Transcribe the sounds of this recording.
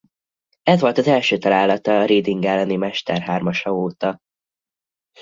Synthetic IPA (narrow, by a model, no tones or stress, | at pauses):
ɛzʋo̞lt̪ɒzɛlʃøːt̪ɒɾaːlːɒt̪ɒːɾeːd̪iŋɡɛlːɛnimɛʃt̪ɛrɦaːrmɒʃɒoːt̪ɒ